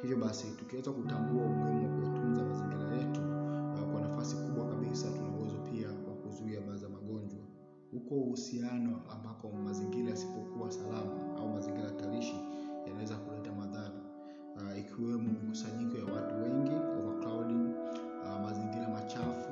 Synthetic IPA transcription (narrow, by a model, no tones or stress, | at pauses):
hivjɔɓasitukiwɛzakutambuauɡɛmɔkuwatunzamaziŋɡiɾajɛtukwanafasikuɓwakaɓisatunawɛzɔpiawakuzuiaɓazamaɠɔɲd͡ʒwa | hukɔuhusianɔambakɔmaziŋɡiɾajasi̥pɔkuasalamaa̰umaziŋɡiɾajataɾiʃijanawɛzakulɛtamaðaɾa | ikʰiwɛmumikusaɲikɔjawatuwɛŋɡikɔvaklawɗi | maziŋɡiɾamat͡ʃafu